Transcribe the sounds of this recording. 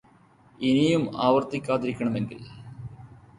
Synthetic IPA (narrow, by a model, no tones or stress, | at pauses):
inijumaːʋɐrt̪ikʲːaːt̪iɾikʲːɐɳɐme̞nɡḭl